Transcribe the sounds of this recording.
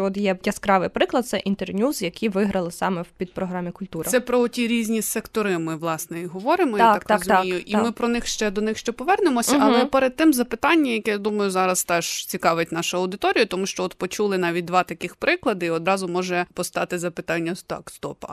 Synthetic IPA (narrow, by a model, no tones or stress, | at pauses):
ɔt̪jɛjɛskɾɑʋɪjpɾɪklˠɐd̪̚sɛʔint̪ernʲuzjɐkiʋɪɦɾɐlˠɪsɑmɛwpʲid̪̚pɾɔɦɾɑmʲikʊlʲt̪uɾɐsɛpɾɔɔtʲiɾʲizʲnʲisɛkt̪ɔɾɪmɪʋlˠɑsnɛiɦɔʋɔɾɪmɔj̪aɑkk̪ɑzk̪t̪ijʊʔimɪpɾɔnɪxʃt͡ʃɛd̪ɔnɪxʃt͡ʃɛpɔʋɛrnemɔsʲɐlˠɛpɛɾed̪̚t̪ɪmzɐpɪt̪ɑnʲːɐmjɐkɛjad̪umɐjʊzɑɾɐst̪ɛʒ̥t͡sʲikɑʋɪtʲnɑʃʊɐwd̪ɪt̪ɔɾʲijʊt̪ɔmuʃt͡ʃɔɔt̪pɔt͡ʃulˠɪnɑʋʲit̚ʲd̪ʋɑt̪ɐkɪxpɾɪklˠɐd̪ɪiɔd̪ɾɑzʊmɔʒɛpɔst̪ɑt̪ɪzɐpɪt̪ɑnʲːɐst̪ɑ̰kst̪ɔpɐ